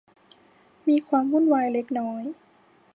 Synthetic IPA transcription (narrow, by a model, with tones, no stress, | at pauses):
miː˧kʰwaː˧mwu˥˨nwaː˧jle˦˥k̚nɔː˦˥j